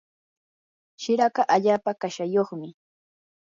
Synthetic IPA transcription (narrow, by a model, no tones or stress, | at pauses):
ʃɪɾakɑʔaʎaːpakaʃajoχmɪ